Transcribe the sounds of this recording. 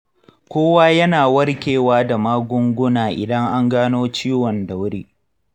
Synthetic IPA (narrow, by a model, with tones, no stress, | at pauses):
kʷoː˦waː˦jɐ˦naː˨wɐ˦rkʲeː˨waː˦da˨maː˦ɡʷʊ˦ŋɡʷʊ˦naː˨ʔɪ̰˨dɐ˦ŋʔa˦ŋɡaː˦noː˦t͡ʃiː˦wɔ˨nda˨wɽiː˦